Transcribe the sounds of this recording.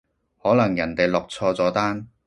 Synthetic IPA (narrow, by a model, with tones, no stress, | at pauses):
hɔː˨˥lɐ˨˩ŋjɐ˨˩nt̪e˨jlɔː˨˩k̚t͡sʰɔː˧t͡sɔː˨˥t̪aː˥n